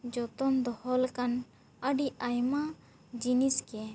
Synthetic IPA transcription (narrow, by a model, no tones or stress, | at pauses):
d͡ʒɔt̪ɔmd̪ɔhɔlkan | əɖiajma | d͡ʒiniskɛ